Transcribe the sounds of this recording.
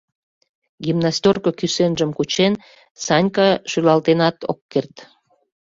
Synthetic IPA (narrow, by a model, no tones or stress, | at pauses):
ɡʲimnɑsʲtʲorkokysenʒəmkut͡ɕen | sɑnʲkɑʃylɑlt̪enɑt̪o̰kːert̪